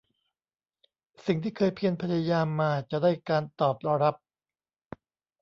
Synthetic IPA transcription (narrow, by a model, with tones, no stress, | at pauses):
si˨˩ŋt̪ʰiː˥˩kʰɤː˧jpʰi˧ənpʰa˧˥ja˧jaː˧mːaː˧t͡ɕa˨˩ʔdaː˥˩jkaː˧nt̪ɔː˨˩p̚ɾa˧ɾa˦˥p̚